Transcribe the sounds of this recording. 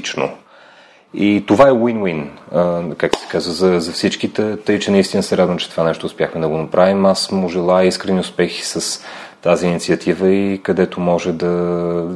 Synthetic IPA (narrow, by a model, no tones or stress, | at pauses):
t͡ʃno̰ | it̪ovaɛwinwin | kak̚t̪o̥sɛ̥kazvəzɐzɐfsit͡ʃkit̪ət̪əit͡ʃɛnɐist̪inəsɛɾad̪vəmt͡ʃɛt̪ovanɛʃt̪oːspʲjaxmɛd̪ɐɡonɐpɾʔavimasmːʊʒɛlˠaiskɾɛniʊspɛxi̥səs | t̪aziːnit̪sʲiət̪ʰivəikɐd̪ɛt̪omɔʒɛd̪ɐ